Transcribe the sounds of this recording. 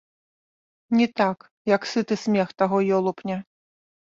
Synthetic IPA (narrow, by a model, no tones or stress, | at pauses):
nʲit̪ak | jɐksɨt̪ɨsʲmʲɛxt̪aɣɔjɔlˠupnʲɛ